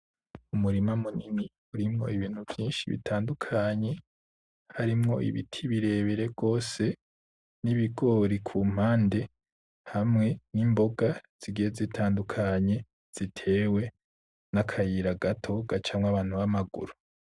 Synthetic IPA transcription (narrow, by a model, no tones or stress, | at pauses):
umuɾimamunini | uɾimŋo̞̰iβiːn̥huvjiːnʃiβḭtʰaːndukʰaɲe̞ | haɾimŋo̞̰ʔḭβḭtʰiβiɾe̞ːβeɾe̞bɡo̞ːse̞ | niβiɡo̞ɾikʰuːm̥haːnde̞ | hamŋe̞nimbo̞ɡaz̥iɡijezitʰaːndukʰaɲe̞ | z̥itʰe̞ːwe̞ | nakʰajiɾaɡatʰo̞ɡat͡ʃamŋaβaːn̥huβamaɡṵɾu